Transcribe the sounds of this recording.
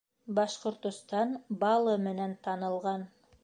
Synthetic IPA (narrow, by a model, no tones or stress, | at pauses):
bɑʃqŏɾt̪ŏst̪ɑnbɑlˠɤmɘ̆nænt̪ɑnɤ̆lˠʁɑn